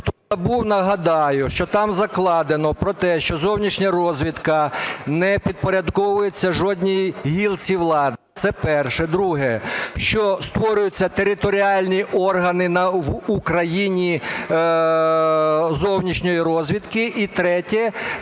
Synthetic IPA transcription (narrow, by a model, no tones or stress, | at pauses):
t̪ɔɐbuwnɐɦɐd̪ɑjʊʃt͡ʃɔt̪ɑmzɐklˠɑd̪enɔpɾɔt̪ɛʃt͡ʃɔzɔwnʲit͡ʃnʲɐrɔzʲʋʲid̪kɐnɛpʲid̪̚pɔɾʲɐd̪kɔʋʊjet͡sʲːɐʒɔdʲnʲijɦʲilˠt͡sʲiwlˠɑd̪ɪt̪sɛpɛrʃɛd̪ɾuɦɛʃt͡ʃɔst̪ʋɔɾʲʊjʊt͡sʲːɐt̪eɾɪt̪ɔɾʲiɑlʲnʲiʔɔrɦɐnɪnɐʋukɾɐjinʲi | zɔwnʲit͡ʃnʲɔjiɾɔzʲʋʲid̪kɪʔit̪ɾɛtʲɛ